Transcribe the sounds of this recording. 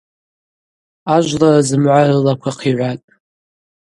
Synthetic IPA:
aʒʷlarazɨmʕʷarɨlakʷʰaqʰiʕʷatʼ

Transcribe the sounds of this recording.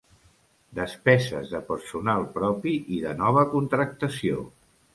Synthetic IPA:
d̪əspɛzə̰zðəpəɾsunalˠpɾɔpiʔiðənɔβ̞əkunt̪ɾək̚t̪əsio

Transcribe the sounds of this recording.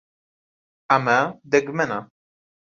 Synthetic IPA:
amad̪ɛɡmɛna

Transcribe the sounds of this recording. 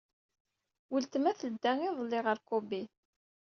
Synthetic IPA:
wəlt̪əmæθəd̪ːæŋiðˤəlːɪʁəɾkobi

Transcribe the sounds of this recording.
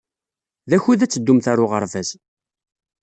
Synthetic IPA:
ðæçuðæt͡sːəd̪ːumθaɾʊʁə̰ɾˤvæz

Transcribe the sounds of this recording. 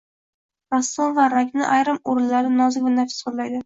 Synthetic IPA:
ɾasːonvaɾakʲnɪ̰ʔajɾɪmoɾɪnlaɾnɪnɒzɪkʲvanafɪ̥solajd̪ɪ

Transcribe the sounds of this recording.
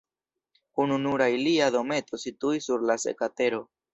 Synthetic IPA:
ununuɾajliado̞me̞to̞situisuɾlase̞̰kate̞ɾo̞

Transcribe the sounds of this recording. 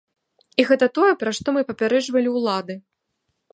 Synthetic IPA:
iɣɛt̪ɐt̪ɔjɛpɾaʂt̪ɔmɨpɐpʲaɾɛd͡ʐvɐlʲiwlˠad̪ɨ

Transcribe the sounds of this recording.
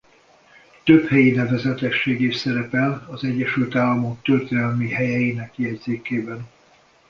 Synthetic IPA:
t̪øphɛjinɛvɛzɛt̪ɛʃːeːɡeːʃsɛɾɛpɛlɒzɛɟːɛʃylt̪aːlːɒmo̞k̚t̪ørt̪eːnɛlmihɛjɛjiːnɛkjɛd̪zeːkeːbɛn

